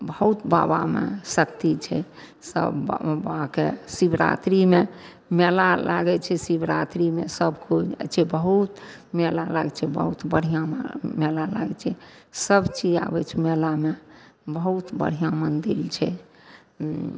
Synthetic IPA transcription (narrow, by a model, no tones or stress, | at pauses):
bəɦut̪ba̰bamḛsəkt̪it͡ʃʰɛ | sə̰bbakesibɾa̰t̪ɾime | melalaɡɛt͡ʃʰɛsibɾat̪ɾimesəbkod͡ʒ̰t͡ʃʰɛbəɦut̪melala̰ɡt͡ʃʰɛbə̰ɦut̪bəɽ̤ijãmelala̰ɡt͡ʃʰɛsəbt͡ʃid͡ʒa̰bɛt͡ʃʰɛmelamebəɦut̪bə̰ɽ̤ijãmənd̪ilt͡ʃʰɛ